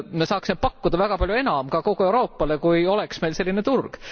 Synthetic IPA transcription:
mesɑːksimepɑkːud̪̥ɑvæɡ̥ɑpɑlʲjue̞nɑmkɑko̞ɡ̥ue̞wɾo̞ːpːˑɑle̞kujo̞leksme̞jlse̞lʲːinet̪urɡ̥

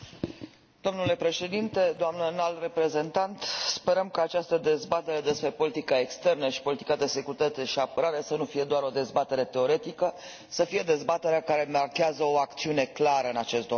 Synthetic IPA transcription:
d̪̥o̞mnule̞pɾe̞ʃe̞d̪int̪e̞d̪oamnənalre̞pɾe̞ze̞nt̪ant̪spe̞ɾəmkaːt͡ʃast̪əd̪e̞zbat̪e̞ɾe̞d̪e̞spɾe̞po̞lit̪ikaekst̪e̞rnəʃi̥po̞lit̪i̥kad̪e̞se̞kuɾit̪əat̪eʃiapəɾaɾe̞sənufije̞d̪oaɾo̞d̪e̞zbat̪e̞ɾe̞t̪e̞o̞ɾe̞t̪ikə | səfije̞d̪e̞zbat̪e̞ɾeakaɾe̞markeazəo̞akt̪siune̞klaɾəɨnat͡ʃe̞st̪d̪o

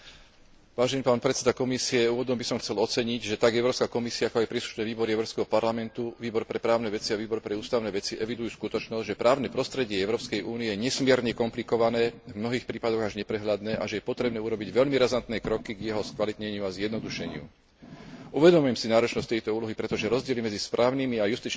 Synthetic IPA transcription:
ʋaːʒɛniːpaːnpɾɛt̪t͡sɛd̪akɔmisiɛuːʋɔd̪ɔmbisɔmxt͡sɛlɔt͡sɛɲiɟʒɛt̪aɡɛʊɾɔːpskakɔmisiaakɔajpɾiːslu̥ʃnɛːʋiːbɔɾiɛʊɾɔːpskɛɦɔpaɾlamɛnt̪uʋiːbɔɾpɾɛpɾaːʊnɛʋɛt͡siaʋiːbɔɾpɾɛuːst̪aʊnɛːʋɛt͡siʔɛʋid̪ujuːskut̪ɔt͡ʃnɔzɟʒɛpɾʔaːʊnɛpɾɔst̪ɾɛɟɪɛɛʊɾɔːpskɛjʔuːniɛjɲɛsmɪɛɾɲɛkɔmplikɔʋanɛːvmnɔɦiːxpɾiːpad̪ɔɣaʒɲɛpɾɛɦʎad̪nɛːʔa̰ʒɛjɛpɔt̪ɾɛbnɛːuɾɔbiɟʋɛʎmiɾazant̪nɛːkɾɔkiɡjɛɦɔskʋalit̪ɲɛɲɪuazjɛd̪nɔd̪uʃɛɲɪṵ | ʔuʋɛd̪ɔmujɛmsinaːɾɔt͡ʃnɔsc̚t̪ɛjt̪ɔuːlɔɦipɾɛt̪ɔʒɛɾɔzɟɪɛlimɛd͡zispɾʔaːʊnimiajust̪it͡ʃ

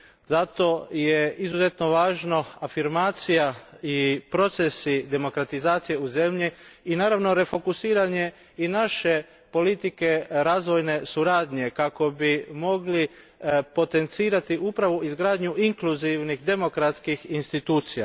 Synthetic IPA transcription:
zat̪o̞jeizuze̞t̪no̞ʋaːʒno̞afiɾmaːt̪sijaipɾo̞t̪sesid̪e̞mo̞kɾat̪izaːt̪sije̞uze̞mʎiinaːɾaʋno̞ɾe̞fo̞kusiːɾaɲe̞ | inaʃe̞ | po̞lit̪ike̞ɾaːzʋo̞jne̞suɾaːd̪ɲe̞kako̞bimo̞ɡli | po̞t̪e̞nt̪siːɾat̪iʔupɾaʋoizɡɾaːd̪ɲuʔiŋkluziʋnixd̪e̞mo̞kɾat̪skixinst̪it̪uːt̪sija

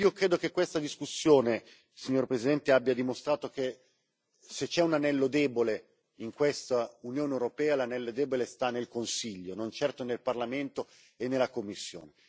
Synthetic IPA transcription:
iːokɾeːd̪okekːwest̪ad̪iskusːjoːne | siɲːoːɾpɾesid̪ɛnt̪eabːjad̪imost̪ɾaːt̪ok̟e | set͡ʃːɛunanɛlːod̪ɛːbole | iŋkwest̪aunjoːnewɾopɛːalanɛlːod̪ɛːbolest̪anːelkonsiʎːonont͡ʃɛrt̪onelparlament̪o | enːelːakomːisːjo̰ːne

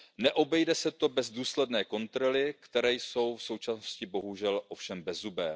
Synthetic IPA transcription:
nɛʔo̞bɛjdɛsɛt̪o̞bɛzduːslɛdnɛːko̞nt̪ɾo̞lɪkt̪ɛɾɛːjso̞wfso̞wt͡ʃasnoscɪbo̞ɦuʒɛlʔo̞fʃɛmbɛzubɛː

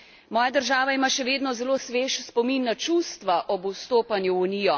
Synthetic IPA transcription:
mɔːjad̪əɾʒaːʋaimaːʃɛʋeːd̪nɔzɛloːsʋeːʃspɔminːat͡ʃust̪ʋaʔɔbust̪oːpanjuːniːjɔ

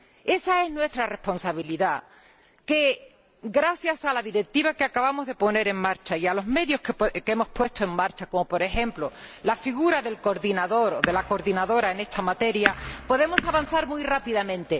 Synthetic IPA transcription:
e̞sae̞znwe̞st̪ɾare̞hpo̞nsaβ̞iliða | ke̞ | ɡɾaθjasalaðiɾe̞k̚t̪iβakeakaβamo̞zðe̞po̞ne̞ɾe̞ŋmaɾt͡ʃaialo̞zme̞ðjo̞hkepke̞mo̞spwe̞st̪oe̞ŋmːaɾt͡ʃako̞mo̞po̞ɾe̞xẽ̞mplolafiɣuɾaðe̞lko̞ɾðinaðo̞ɾoðe̞lako̞ɾðinaðo̞ɾae̞ne̞st̪amat̪e̞ɾjapo̞ðe̞mo̞saβan̟θaɾmwuijrapiðamẽ̞nt̪e̞

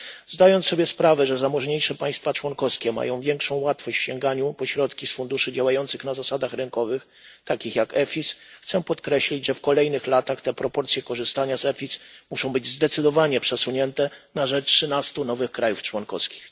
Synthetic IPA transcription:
zd̪ajɔnt̪sɔbʲjɛspɾavɛʐɛzamɔʐɲejʂɛpaj̃st̪fat͡ʂwɔnkɔskʲɛma̰jɔ̃w̃vʲjɛŋkʂɔ̃w̃wat̪fɔɕt͡ɕfɕɛŋɡaɲupɔɕɾɔt̪kʲisfund̪uʂɘd͡ʑawajɔnt̪sɘxnazasad̪axɾɘnkɔvɘx | t̪akʲixjakɛfʲisxt̪sɛpɔt̪kɾɛɕlʲid͡ʑʐɛfkɔlɛjnɘxlat̪axt̪ɛpɾɔpɔɾt̪sʲjɛkɔʐɘst̪aɲazɛfʲismuʂɔ̃w̃bɘd͡ʑzd̪ɛt̪sɘd̪ɔvaɲɛpʂɛsuɲɛnt̪ɛnaʐɛʂɘnast̪unɔvɘxkɾajuft͡ʂwɔnkɔ̰skʲi̥x

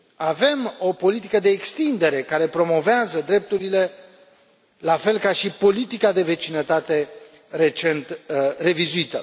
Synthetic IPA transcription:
ave̞mo̞po̞lit̪ikəd̪e̞ːkst̪ind̪e̞ɾe̞kaɾe̞pɾo̞mo̞veazəd̪ɾe̞p̚t̪uɾile̞ | lafe̞lkaʃipo̞lit̪ikad̪e̞ve̞t͡ʃinət̪at̪e̞ | re̞t͡ʃe̞nt̪re̞vizuit̪ə

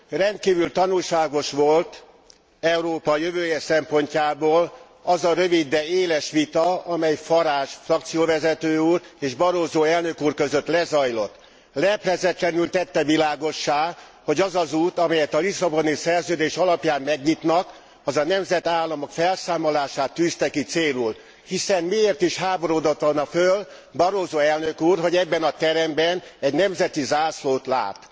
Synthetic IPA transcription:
rɛnt̪̚kiːvylt̪ɒnulʃaːɡo̞ʃʋo̞lt̪ | ɛuɾoːpɒjøvøːjɛsɛmpo̞ɲcaːboːl | ɒzɒɾøvid̪ːɛeːlɛʃʋit̪ɒɒmɛjfɒɾaːʃfrɒk̚t̪sijoːvɛzɛt̪øːuːreːʒbɒɾoːzoːɛlnøkuːrkøzøt̪lɛzɒjlo̞t̪ː | lɛprɛzɛt̪lɛnylt̪ɛt̪ːɛvilaːɡo̞ʃːaː | ho̞ɟɒzɒzuːt̪ɒmɛjɛt̪ɒlisɒbo̞nisɛrzøːd̪eːʃɒlɒpjaːmːɛɡɲit̪nɒk | ɒzɒnɛmzɛt̪aːlːɒmo̞kfɛlsaːmolaːʃaːt̪ːyːst̪ɛkit̪seːlul | hisɛnmieːrt̪iʃhaːbo̞ɾod̪ot̪onɒføl | bɒɾoːzoːɛlnøkuːrɦo̞ɟɛbːɛnɒt̪ɛɾɛmbɛnɛɟnɛmzɛt̪izaːsloːt̪la̰ːt̪

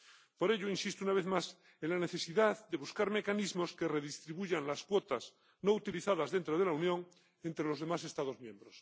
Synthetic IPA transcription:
po̞ɾe̞ʎoinsist̪unaβe̞θmas | enlane̞θesiðaðd̪e̞βuskaɾme̞kanizmo̞skere̞ðist̪ɾiβuʝanlaskwo̞t̪az | nout̪iliθaðazðe̞nt̪ɾoð̞e̞launjõ̞ŋ | ent̪ɾelo̞zð̞e̞mase̞st̪aðozmjẽ̞mbɾos

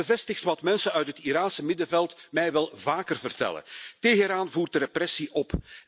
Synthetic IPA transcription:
əvɛstɪxtʋɑtmɛnsənœɥtɦətiɾaːnsəmɪdəvɛlˠtmɛjʋɛlˠvaːkərvərtɛ̰lə̰teːɣəɾaːnvuːrt̚dəɾɛprɛsiʔɔp

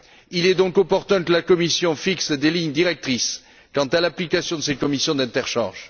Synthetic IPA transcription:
ilɛd̪ɔ̃kɔpɔʁt̪ɛ̃kəlakɔmisjɔ̃fiksd̪eliɲd̪iʁɛk̚t̪χis | kɑ̃t̪alaplikasjɔ̃d̪əsekɔmisjɔ̃d̪ɛ̃t̪ɛʁʃɑ̰̃ʒ

